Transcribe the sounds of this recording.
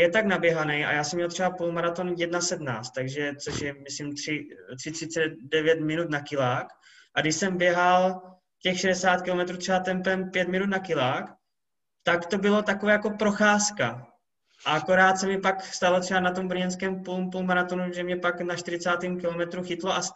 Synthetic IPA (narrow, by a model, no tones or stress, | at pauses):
jɛt̪aknabjɛɦanɛjʔa̰jaːsɛmɲɛlt̪r̥ɛbapulmaɾat̪onjɛdnasɛdna̰ːst̪t̪ːaɡʒɛt͡so̞ʃjɛmɪslimt̪r̝̥ɪt̪r̥ɪt̪r̥ɪtt͡sɛdɛvjɛt̪mɪnut̪nakɪlaːk | ʔaɡdɪʃsɛmbjɛɦal | cɛxʃɛdɛsaːt̪kɪlo̞mɛt̪ɾuːt̪r̥ɛbat̪ɛmpɛmpjɛt̪mɪnut̪nakɪlaːk | t̪akt̪o̞bɪlo̞t̪akovɛːjako̞pɾo̞xaːska | ʔaʔako̞ɾaːt̪sɛmɪpakst̪alot̪r̥ɛbanat̪o̞mbr̩ɾ̩ɲɛnskɛːmpulmpulmaɾat̪o̞nuʒɛmɲɛpaknaʃt̪ɪɾɪt͡saːt̪iːmkɪlo̞mɛt̪ɾuxɪt̪loʔa